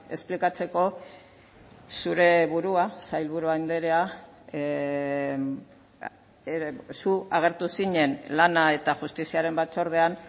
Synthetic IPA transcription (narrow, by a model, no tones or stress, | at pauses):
e̞splikat͡se̞ko̞ | suɾe̞βuɾuasajlβuɾuajnd̪e̞ɾe̞a | suaɣ̞e̞ɾt̪usiɲe̞nlanae̞t̪aʝust̪isiaɾe̞mbat͡so̞ɾð̞e̞an